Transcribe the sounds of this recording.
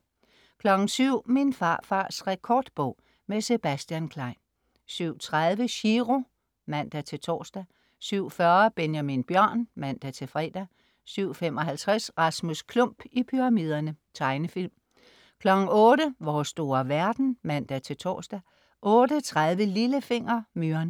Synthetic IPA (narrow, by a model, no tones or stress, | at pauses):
kʰlɒ̽ɡ̥n̩syʊ̰minfɑ̰̈ːfɑ̈ːsʁɛkʰɒːd̥b̥ɔ̽ʊ̰ | mese̝b̥æsd̥jænkʰlɑ̈ɪ̰n | syʊ̰t͡sʰʁaðˠʋəɕiʁo̝ | mæn̰d̥æt͡sʰe̝t͡sʰɒ̰ːsd̥æ | syʊ̰fɶːɐb̥enjæminb̥jɶɐ̰nmæn̰d̥æt͡sʰe̝fʁɛ̰ːd̥æ | syʊ̰femɒ̽ɦælt͡sʰʁasʁɑ̈smuskʰlɔm̰b̥ipʰyʁɑ̈miːð̞ˠɐnət͡sʰɑ̈ɪnəfil̰m | kʰlɒ̽ɡ̥n̩ɔ̽ːɾəʋɒːsːd̥o̝ːɐʋæɐd̥n̩mæn̰d̥æt͡sʰe̝t͡sʰɒ̰ːsd̥æ | ʔɔ̽ːd̥ət͡sʰʁaðˠʋəliləfe̝ŋ̰ɐmyɐn